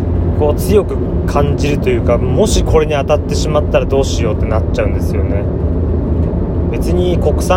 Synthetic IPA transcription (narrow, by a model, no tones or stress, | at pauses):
ko̞ːt͡sɨjo̞kɯ̟ | kʰãɲd͡ʑiɾɯ̟t̪o̞jɯ̟ːkamo̞ɕikʰo̞ɾe̞ɲ̟iat̪at̪ːe̞ɕimat̪ːaɾad̪o̞ːɕijo̞ːt̪ːe̞natt͡ɕːaɯ̟̃nd̪e̞sɨjo̞̰ne̞ | be̞t͡sɨɲ̟iko̞kɯ̟̥sa